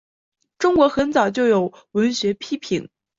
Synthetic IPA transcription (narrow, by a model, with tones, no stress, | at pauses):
ʈ͡ʂʊ˥ŋkwɔ˧˥xə˧˥nt͡sɑ˨˩ʊt͡ɕjo˥˩ʊjo˨˩ʊ | wə˧˥nɕɥɛ˧˥pʰi˥pʰi˨˩˦n